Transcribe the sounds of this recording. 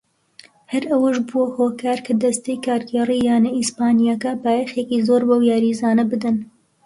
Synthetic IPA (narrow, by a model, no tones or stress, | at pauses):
hɐɾɐwəʃbuwɐhoːkaːɾkʰɐd̪ɐst̪ejkaːɾɡeːrijaːnɐispaːnijakɐbaːjexeːkizoːɾbɐwjaːɾizaːnɐbɨd̪ɨn